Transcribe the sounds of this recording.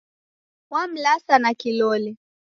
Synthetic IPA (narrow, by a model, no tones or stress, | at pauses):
wam̩lasanakilɔlɛ